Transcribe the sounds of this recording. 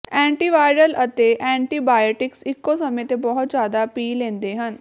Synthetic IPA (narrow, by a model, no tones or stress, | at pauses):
ɛ̃ɳʈiʋajɾəlʔət̪eʔɛ̃ɳʈiːbajoʈiksikːosəmet̪ebɔɦut̪d͡ʑjad̪apiːlẽnd̪eɦən